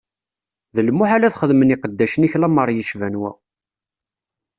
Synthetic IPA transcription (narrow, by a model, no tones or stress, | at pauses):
ðəlmːʊħalæθχəðməniqəd̪ːæʃəniçlæməɾˤjiʃvænwæ̰